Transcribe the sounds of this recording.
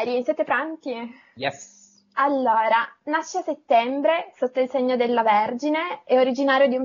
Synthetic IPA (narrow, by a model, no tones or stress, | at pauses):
ɾisjɛːt̪epɾant̪i | jɛ | alːoːɾanaʃːeaset̪ːɛmbɾesot̪ːoilseɲːod̪elːaverd͡ʒineɛoɾid͡ʒinaːɾjod̪ium